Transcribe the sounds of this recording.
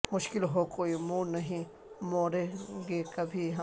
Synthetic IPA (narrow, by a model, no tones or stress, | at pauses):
mʊʃkɪlɦokoːimũːnɐɦĩ | moːɾeɡekɐbʱiɦɐ